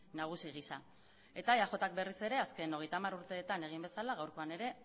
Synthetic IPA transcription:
naɣ̞usiɣ̞isa | e̞t̪ajaʝo̞t̪ak̚be̞rise̞ɾe̞aske̞no̞ɣ̞e̞jt̪amaɾuɾt̪e̞ːt̪ane̞ɣ̞imbe̞salaɣawɾko̞ane̞ɾe̞

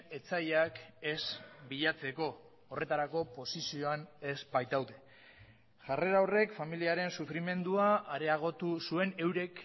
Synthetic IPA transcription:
e̞t͡saʎake̞sbiʎat͡se̞ko̞ː | re̞t̪aɾako̞po̞sisio̞ane̞zbajt̪awðe̞ | ʝare̞ɾawre̞kfamiliaɾe̞nsufɾime̞nd̪uaːɾe̞aɣ̞o̞t̪usue̞ne̞wɾe̞k

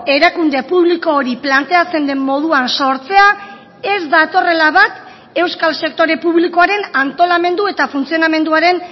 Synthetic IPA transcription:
e̞ɾakund̪e̞puβliko̞ːɾiplant̪e̞at͡se̞nd̪e̞mmo̞ð̞uanso̞ɾt͡se̞a | e̞zd̪at̪o̞re̞laβat̪ | e̞wskalse̞k̚t̪o̞ɾe̞puβliko̞aɾe̞nant̪o̞lame̞nd̪ue̞t̪afunt͡sio̞name̞nd̪uaɾe̞n

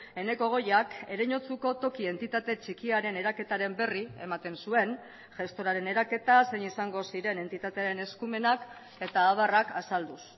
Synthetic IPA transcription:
e̞ne̞ko̞ɣ̞o̞jake̞ɾeɲo̞t͡suko̞t̪o̞kie̞nt̪it̪at̪e̞t͡ʃikiaɾe̞ne̞ɾake̞t̪aɾe̞mbe̞rie̞̰mat̪e̞nsue̞n | ʝe̞st̪o̞ɾaɾe̞ne̞ɾake̞t̪ase̞nisaŋɡo̞siɾe̞ne̞nt̪it̪at̪e̞aɾe̞ne̞skume̞nak | e̞t̪aːβarakasald̪us

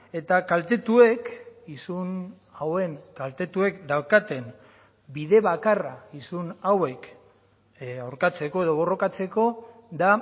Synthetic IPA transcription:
e̞t̪akalt̪e̞t̪ue̞kisun | awe̞ŋkalt̪e̞t̪ue̞kd̪awkat̪e̞n | biðe̞βakaraisunawe̞k | awɾkat͡se̞ko̞e̞ðo̞β̞o̞ro̞kat͡se̞ko̞d̪a

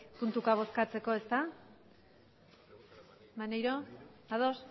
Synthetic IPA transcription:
punt̪ukaβ̞o̞skat͡se̞ko̞e̞st̪a | manejɾo̞aðos

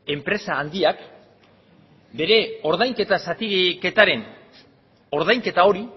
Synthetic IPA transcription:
e̞mpɾe̞saːnd̪iak | be̞ɾe̞o̞ɾð̞ajŋke̞t̪asat̪ike̞t̪aɾe̞n | o̞ɾð̞ajŋke̞t̪ao̞ɾi

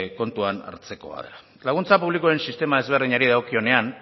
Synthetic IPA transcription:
ko̞nt̪uana̰ɾt͡se̞ko̞a̰ð̞ḛla | laɣ̞unt͡sapuβlikuɾe̞nsist̪e̞mae̞zβ̞e̞rðiɲaɾiðaokio̞ne̞an

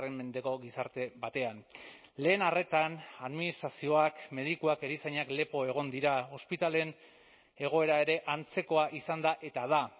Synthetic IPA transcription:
re̞mme̞nd̪e̞ko̞ɣisaɾt̪e̞βat̪e̞an | le̞ːnare̞t̪anaðminist̪ɾasio̞akme̞ð̞ikuake̞ɾisaɲakle̞po̞e̞ɣ̞o̞nd̪iɾao̞spit̪ale̞n | e̞ɣ̞o̞e̞ɾae̞ɾe̞ʔant͡se̞ko̞aʔisand̪aʔe̞t̪aða

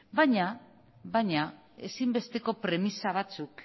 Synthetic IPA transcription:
baɲa | βajɲa | e̞simbe̞st̪e̞ko̞pɾe̞misaβat͡suk

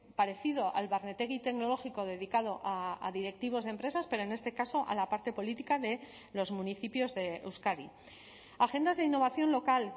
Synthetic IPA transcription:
paɾe̞θið̞o̞ʔa̰lβaɾne̞t̪e̞ɣit̪e̞kno̞lo̞xiko̞ð̞e̞ðikað̞o̞ʔa̰ːðiɾe̞k̚t̪iβ̞o̞zðempɾe̞saspe̞ɾo̞ene̞st̪e̞kaso̞ʔa̰lapaɾt̪e̞po̞lit̪ikaðe̞ | lo̞zmũniθipjo̞zðe̞ewskaði | axe̞nd̪azðeinːo̞β̞aθjo̞nlo̞kal

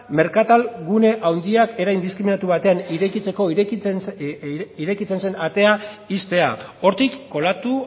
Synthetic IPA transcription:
me̞ɾkat̪alɡune̞ʔawnd̪iake̞ɾajnd̪iskɾiminat̪uβ̞at̪e̞aniɾekit͡se̞ko̞i | iɾe̞kit͡se̞nse̞nat̪e̞aist̪e̞a̰o̞ɾt̪ikːo̞lat̪u

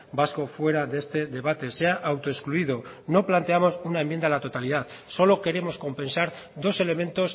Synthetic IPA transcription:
basko̞fwe̞ɾaðee̞st̪e̞ðe̞β̞at̪e̞se̞aʔawt̪oeskluið̞o̞ | no̞plant̪e̞amo̞sunaemjend̪alat̪o̞t̪alið̞að | so̞lo̞ke̞ɾe̞mo̞sko̞mpẽ̞nsaɾ | ðo̞se̞le̞mẽ̞nt̪o̞s

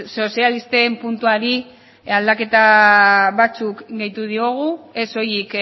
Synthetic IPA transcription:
so̞sialist̪e̞mpunt̪uaɾi | ald̪ake̞t̪a | βat͡sukɡe̞jt̪uð̞io̞ɣ̞ue̞so̞jik

